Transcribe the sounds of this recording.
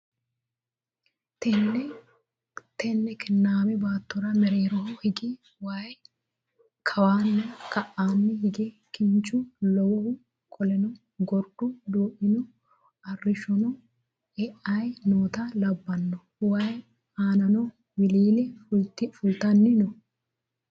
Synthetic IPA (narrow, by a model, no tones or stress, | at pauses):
t̪ɛnːɛ | t̪ɛnːɛkʰɪnːaːmɛbaːt̪ːɔɾɐmɛɾeːɾɔhɔhɪɡɪ | waːj | kʰɐwaːnːɛkɐʔːaːnːɛhɪɡɛ | kɪnt͡ʃːʊlɔwɔhʊ | kʰɔlɛnɔ | ɡɔɾɗʊd̪uːʔɪnɔ | ɐrːɪʃɔnɔ | ɛʔɐjnoːt̪ɐlɐbːɐnːɔ | waj | aːnɐnɔ | wɪliːlɛfʊlt̪ːɪfʊlt̪ɐnːɪnɔ